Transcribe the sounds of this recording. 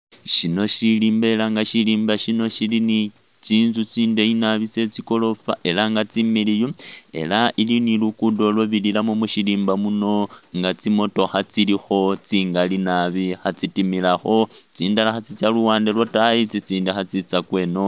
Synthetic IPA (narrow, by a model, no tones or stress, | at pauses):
ʃino̞ʃiliːmbeelaŋɡaʃiliːmbaʃino̞ʃilini | t͡siːnzut͡siːnde̞inaβit͡se̞t͡siko̞lo̞fa̰ʔelaŋɡat͡similijoe̞̰laʔilinilukudo̞lwoβililamomuʃiliːmbamuno̞ŋɡat͡simo̞to̞xat͡silixo̞t͡siːŋɡalinaβixat͡sitimilaxo̞t͡siːndalaxat͡sit͡sjaluwaːndelwotait͡sit͡siːndexat͡sit͡sakwe̞no̞